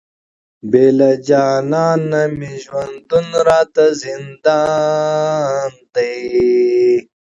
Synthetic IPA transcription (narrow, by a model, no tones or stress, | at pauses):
beːlɐd͡ʑaːnaːnːɐmiʑwɐnd̪unɾaːt̪ɐzind̪a | nt̪e